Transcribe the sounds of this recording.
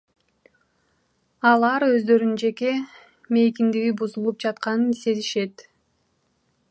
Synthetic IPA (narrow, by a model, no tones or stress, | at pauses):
ɑlˠɑɾø̞zd̪ø̞ɾynd͡ʒe̞ke̞ | me̞jkind̪iɡibuzulˠup̚d͡ʒɑt̪̚qɑnɯnise̞ziʃe̞t̪